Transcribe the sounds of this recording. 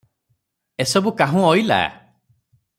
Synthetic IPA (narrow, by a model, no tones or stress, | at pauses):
esɔbukaɦũɔjla̰